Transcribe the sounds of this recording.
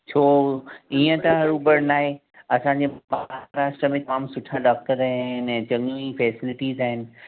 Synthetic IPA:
t͡ɕʰoːiːə̃t̪ɐɦɐɾubɐɽnaːɦe | ɐsãɲd͡ʑeːbaɦɾaːsʈɾəmẽt̪ɐmaːmsʊʈʰaɖaːk̚ʈəɾaːɦːɦɪnɛ̃ːt͡ɕɐ̃ŋɡifɛːsɪlɪʈiːzaːɦɪnɪ̆

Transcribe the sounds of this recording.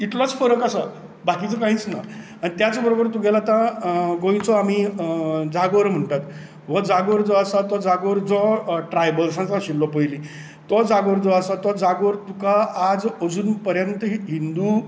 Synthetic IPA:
iʈ̪lɔt͡sfəɾəkasa | bakit͡sɔkãɦĩt͡sna̰ | añit̪jat͡sɔbəɾobəɾt̪ũɡɛlat̪ãɡõĩt͡sɔam̤i | d͡zaɡoɾm̤əɳʈat̪ | ʋəd͡zaɡoɾd͡zɔasat̪ɔd͡zaɡʋɾd͡zɔʈɾajbəlsãt͡saɕilːɔpəjli | t̪ɔd͡zaɡoɾd͡zɔasat̪ɔd͡zaɡʋɾt̪ukaːd͡zəd͡zuːnpəɾjənt̪əɦind̪u

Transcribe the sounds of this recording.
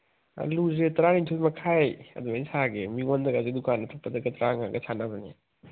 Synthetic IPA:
a̰luzetɐɾanintʰomɐkʰajɐ̰dumainsaɡemiŋondɐɡazedukanːɐtʰapɐdɐɡɐtɾaŋaɡɐ̰sʰanabanḛ

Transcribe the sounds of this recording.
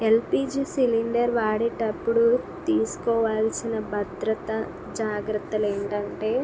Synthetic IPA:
elpiːd͡ʒiːsiliɳɖɐɾʋaːɽiʈɐpːuɽut̪iːsu̥kɔːʋaːlsinɐbʱɐd̪ɾɐt̪ɐ | d͡ʒaːɡɾɐt̪ːɐle̞ːɳʈɐɳʈe̞ː

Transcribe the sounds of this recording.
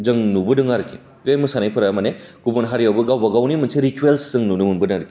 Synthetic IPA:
zɐŋnubɯdɯŋaɾki | emɯsanajpʰɐɾaamaneɡ̥ubonɦaɾijawbɯɡawbɐɡawnimɐnseɾituelszɯŋnunuŋunbɯdɯŋɾki̥

